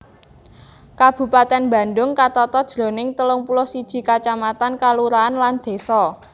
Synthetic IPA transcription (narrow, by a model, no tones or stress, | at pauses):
kab̥ṳpat̪ɛnbä̤nɖʊŋkat̪ɔt̪ɔd̥ʒ̥ɾo̤nɪŋt̪əlʊŋpulʊhsid̥ʒ̥i̤kat͡ʃamat̪ankaluɾaːnland̪̥e̤sɔ